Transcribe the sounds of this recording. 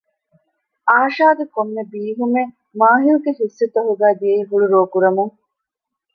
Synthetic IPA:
ʔaːʃaːɡekomːebiːɦume | maːɦiluɡehisːit̪ɐɦuɡæːd̪ijeiɦuɭuɾoːkuɾɐmuŋ

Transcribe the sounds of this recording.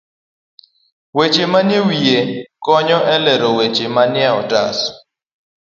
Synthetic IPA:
wet͡ʃemanewiekɔɲɔʔɛlɛɾowet͡ʃemanjɛɔta̰s

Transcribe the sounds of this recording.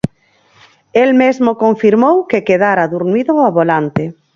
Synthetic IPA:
elmezmokoɱfiɾmowkekeð̞aɾaðuɾniðoaβolant̪e

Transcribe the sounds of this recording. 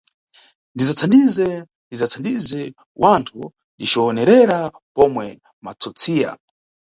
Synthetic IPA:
ndizat͡sʰandizɛ | ndizat͡sʰandizɛ | wʔantʰu | diʃɔːnɛɾɛɾa | pɔmwɛ | mat͡sʰut͡sʰiːja̰

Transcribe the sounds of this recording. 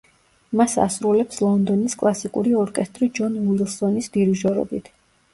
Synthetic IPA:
masa̰sɾulɛpslˠɔnd̪ɔniskʼlˠasikʼuɾiɔɾkʼɛst̪ʼɾid͡ʒɔnwilˠsɔnisd̪iɾiʒɔɾɔ̰bit̪ʰ

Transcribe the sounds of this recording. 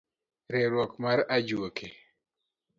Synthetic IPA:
ɾeɾwɔkmaɾad͡ʒuokʰe

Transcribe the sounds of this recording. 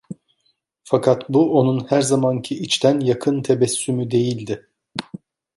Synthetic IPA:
fakʰat̪buo̞nunhæɾzamancʰiʔit͡ʃt̪ʰænjakʰɯnt̪ʰebɛsːymyd̪e̞jilʲd̪ɪ

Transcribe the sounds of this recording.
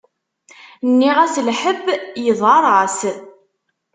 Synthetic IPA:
nːiʁæslħəbjəðˤɑɾˤɑs

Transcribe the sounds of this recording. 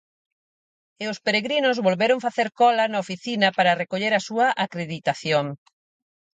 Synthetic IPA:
eʊspeɾeɣɾinʊzβolβeɾʊŋfaθeɾkɔlɐnɐofiθinɐpaɾɐrekoʎeɾɐsuɐʔakɾeðit̪aθjoŋ

